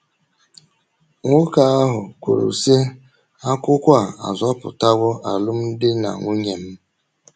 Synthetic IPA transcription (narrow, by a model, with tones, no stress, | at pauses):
ŋʷʊ˦ka˨a˦ɦʊ˨kʷo˨ɾo̰˨se˦ | a˦kʷʊ˦kʷa˦˨a̰˨zɔ˦pʊ̰˨ta˦ɡʷɔ˦ʔa˨lʊ˦m̩˦dɪ˦na̰˨ŋʷu˦ɲe˨m̩˦